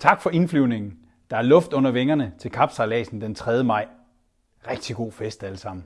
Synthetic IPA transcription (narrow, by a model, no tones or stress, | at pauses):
t͡sʰɑ̈ɡ̥fɒ̽inflyʊne̝ŋn̩ | d̥ɑ̈æɐlɔ̽fd̥ɔ̽n̰ɐʋeŋɐnət͡sʰe̝lkʰɑ̈b̥sɑlɛ̰ːsn̩d̥ent͡sʰʁɛðˠjəmɑ̈ɪ̰ | ʁɛɡ̥̚d̥iɡ̥o̝̰ːfesd̥æləsɑ̈m̰n̩